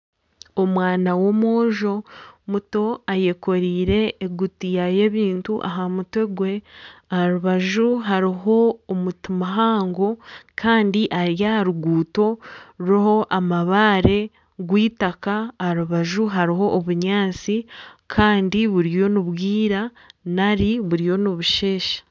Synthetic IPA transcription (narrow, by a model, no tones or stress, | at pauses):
omwaːnawo̞mo̞ːʒo̞muto̞aje̞ko̞ɾiːɾe̞ːɡutijaje̞ːβiːntuʔa̰ɦamutwe̞ɡwe̞ahaɾuβaʒuɦaɾiɦo̞ːmutimaɦaːŋɡo̞kʰaːndiʔaɾjahaɾuɡuːto̞ɾuɾoho̞ʔamaβaːɾe̞ | ɡwiːtakaːhaɾuβaʒuɦaɾiɦo̞ʔːβuɲaːt͡sikʰaːndiβuɾijo̞nuβwiːɾa | naɾiβuɾijo̞niβuʃe̞ːʃḁ